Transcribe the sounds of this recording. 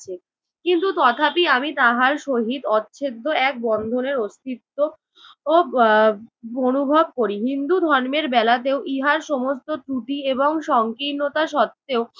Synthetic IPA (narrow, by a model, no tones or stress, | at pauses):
e | kint̪ut̪ɔt̪ʰapiamit̪aɦaɾʃoɦid̪ɔtːɕʰed̪ʱːoɛk̚bɔnd̪ʱoneɾost̪it̪ːo | o | onubʱob̚koɾiɦind̪ud̪ʱɔɾmeɾbɛlat̪̬eoʔiɦaɾʃɔmost̪oʈɾuʈ̪ieboŋʃɔŋkinːot̪aʃɔt̪ːeo